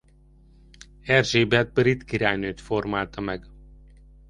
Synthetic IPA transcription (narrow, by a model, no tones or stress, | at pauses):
ɛrʒeːbɛt̪̚bøɾit̪kiɾaːjnøːt̪formaːlt̪ɒmɛɡ